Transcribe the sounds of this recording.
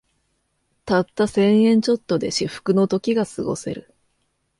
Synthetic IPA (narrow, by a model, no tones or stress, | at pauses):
t̪at̪ːasẽ̞ɰ̃ẽ̞ɲ̟t͡ɕo̞t̪ːo̞d̪e̞ɕiɸɯ̥kɯ̟no̞t̪o̞kʲiɡasɨɡo̞̰se̞̰ɾɯ̟